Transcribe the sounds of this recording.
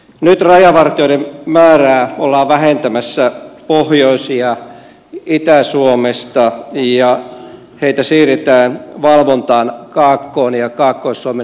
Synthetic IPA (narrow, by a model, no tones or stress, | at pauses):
nyt̪rɑjɑʋɑrt̪ioiemmæːræːolːɑːʋʋæhent̪æmæsːæpohjoisiɑ | it̪æsuomest̪ɑjɑ | heit̪æsiːrit̪æːnʋɑlʋont̪ɑːnkɑːkːoːnjɑkɑːkːoisːuome